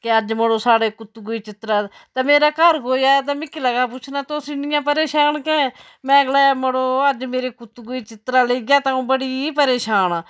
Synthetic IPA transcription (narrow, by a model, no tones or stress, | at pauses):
keəd͡ʒməɽoːsaːɽeːkʊt̪ɡʊiːt͡ʃɪt̪ɾaː | t̪ɛːmeːɾaːkəɾkoːjaːɛt̪ɛːmɪkːiləɡaːp̬ʊt͡ʃʰnaːt̪oːsiːnɪjãːpəɾeːʃaːnkɛ̃ː | mɛ̃ːɡlaːməɽoːəd͡ʒmeːɾeːkʊt̪ɡʊiːt͡ʃɪt̪ɾaːleːɡjaːt̪ãːũːbəɽiːpəɾeːʃaːnː